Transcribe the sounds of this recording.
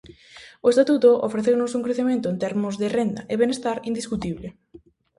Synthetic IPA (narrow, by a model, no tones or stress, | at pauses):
ʊest̪at̪ut̪oʔo̰fɾeθewnʊsuŋkɾeθemẽnt̪ʊent̪ɛɾmʊzðerend̪ɐʔeβenest̪aɾind̪iskut̪iβle